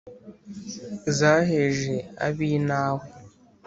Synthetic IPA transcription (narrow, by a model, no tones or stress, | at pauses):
zaɦeʒea̰binaɦʊ